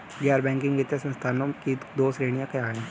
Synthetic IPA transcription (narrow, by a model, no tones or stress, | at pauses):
ɡjaːɾbɛ̃ːŋkɪ̃ŋɡɡet̪jasɐ̃nst̪ʰaːnõkid̪oːsɾeːɽ̃ijãkɐjaːɦẽ